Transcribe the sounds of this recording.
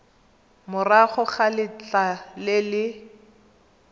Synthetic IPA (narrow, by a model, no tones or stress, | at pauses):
mʊraχʊχalɪt͡ɬalɪlɪ